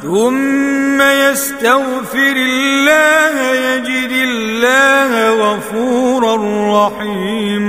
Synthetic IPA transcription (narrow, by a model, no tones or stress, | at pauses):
θʊmːajast̪aɣfɪɾɪlːaːhajad͡ʒɪd̪ɪllːaːhaɣɑfuːɾarːɑħiː | m